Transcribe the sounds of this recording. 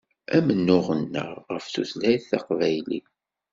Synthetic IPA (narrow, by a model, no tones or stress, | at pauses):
æmənːʊʁənːə̰ʁʁəfθuθlæjθɑqvæjlḭ